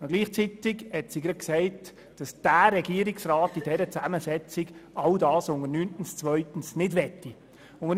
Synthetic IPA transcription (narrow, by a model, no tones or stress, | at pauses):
ɡ̥liːχt͡sitɪɡhɛtsiɡɾɑ̥ksɛɪt | d̥ɑsd̥æːɾɛɡ̥iəɾɪksraːtid̥ɛɾət͡sæməsɛt͡sɪɡʔɑldɑːsʊŋənyntn̩st͡svœʏtn̩snɪdʋɛtːi | ʊŋə